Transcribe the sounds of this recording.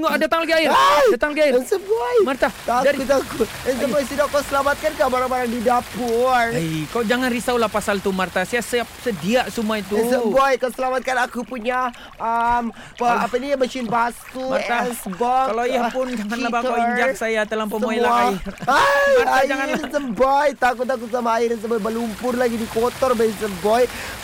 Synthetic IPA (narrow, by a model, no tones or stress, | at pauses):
ŋadat̪aŋlaɡiaɪrdat̪aŋlaɡiaɪnsəbajmart̪at̪adaɾiut̪aku | ənsəbsidakasəlamat̪̚kankahbaɾaŋbaɾaŋdidapurəkawd͡ʒaŋanrisawlahpasalt̪umart̪asajasəap̚sədiaʔsumuait̪usəbajkawsəlamat̪̚kanakupuɲa | əm | əapanimət͡ʃɪnbasumart̪asbɔkalaiapʊnd͡ʒaŋanləbakt̪awiɲd͡ʒak̚sajat̪əlaŋpəmoilaairaaad͡ʒaiŋasəmbɔjt̪akut̪ak̬usamaːiɾəs̬əmbɔjbəlumpʊrlaɡidikot̪ɔrbaisəmbɔj